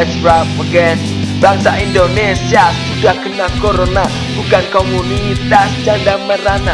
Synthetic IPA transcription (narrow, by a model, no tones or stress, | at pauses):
sɾaməɡɛn | b̥aŋsaʔind̪onesiasudahkənakoɾona | bukankomunit̪asd͡ʒandaməɾana